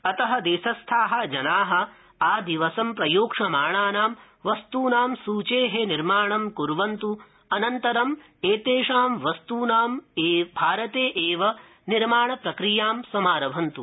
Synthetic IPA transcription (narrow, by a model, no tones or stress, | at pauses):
ɐt̪ɐɦɐ̆d̪eːʃɐst̪ʰaːɦɐ̆d͡ʒɐnaːɦɐ̆ | aːd̪iʋɐsɐmpɾɐjoːkʂɐmaːɳaːnaːm | ʋɐst̪uːnaːmsuːt͡ʃeːɦeniɾmaːɳɐmkuɾʋɐnt̪u | ɐnɐnt̪ɐɾɐm | eːt̪eːʂaːmʋɐst̪uːnaːmeːbʱaːɾɐt̪eːʔeːʋɐ | niɾmaːɳɐpɾɐkɾijaːmsɐmaːɾɐbʱɐnt̪u